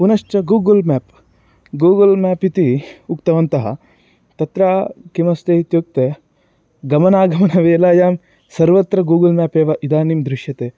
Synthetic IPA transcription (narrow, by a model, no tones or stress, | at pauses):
punɐʂt͡ʃɐɡuːɡɐlmɛːp | ɡuːɡɐlmɛːpit̪iukt̪ɐʋɐnt̪ɐɦɐ̰ | t̪ɐt̪ɾaːkimɐst̪eit̪juk̚t̪eː | ɡɐmɐnaːɡɐmɐnɐʋeːlaːjaːm | sɐɾʋɐt̪ɾɐɡuːɡɐlmaːpeːʋɐʔid̪aːnimd̪ɾɪʃjɐt̪eː